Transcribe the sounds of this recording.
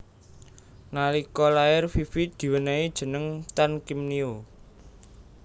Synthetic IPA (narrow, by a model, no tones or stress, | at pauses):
ŋalikɔlaɪrfifid̪̥i̤wənaid̥ʒ̥ə̤nəŋt̪ankimnio